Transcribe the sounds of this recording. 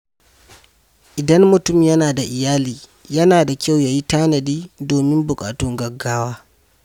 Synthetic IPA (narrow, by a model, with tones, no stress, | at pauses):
ʔɪ˨dɐ˦mmʊ˨tʊ˦mjɐ˦naː˨da˨ʔɪ˨jaː˦liː˨ | jɐ˦naː˨da˨kʲa˦˨wja˨ji˦taː˦nɐ˨diː˦doː˨mɪ˦mbʊ˨kʼa̰ː˨tʊ˦ŋɡɐ˨ɡːaː˦waː˦